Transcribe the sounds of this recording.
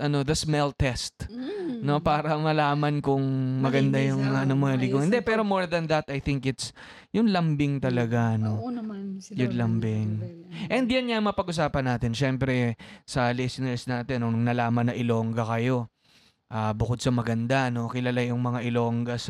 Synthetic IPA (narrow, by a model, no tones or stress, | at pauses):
ʔɐno̞ðɐsmɛlt̪ɛst̪no̞paːɾɐmɐlaːmɐnkʊŋmɐɡɐnd̪ajʊŋmɐŋaʔɐnomoɐlɪɡohɪnd̪ɛpɛːɾo̞mo̞ɹðɐnðɐt̪ɐjθɪŋkɪt̪s | jʊŋlɐmbɪŋt̪ɐlɐɡano | jʊnlɐmbɪŋʔɛnd̪janɲaŋmŋɐpɐɡʔʊs̬aːpɐnːaːt̪ɪnʃɛmpɾɛsɐlɛsɪnɛɹsnaːt̪ɪnoŋnɐlaːmɐnːɐʔɪlo̞ŋɡɐkɐjo̞ | ʔaːbʊko̞d̪̚sɐmɐɡɐnd̪ano̞kɪlɐlajʊŋmɐŋaʔɪlo̞ːŋɡɐs